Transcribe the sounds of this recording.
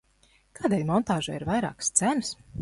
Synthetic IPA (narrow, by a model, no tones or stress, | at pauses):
kaːd̪eːlʲmɔnt̪aːʒaiɾvajɾa̰ːkst̪sæns